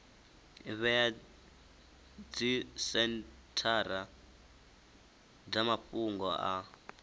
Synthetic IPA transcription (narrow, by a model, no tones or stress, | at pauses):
βɛja | d͡zisɛntʰaɾa | d͡zamaɸuŋɡɔʔa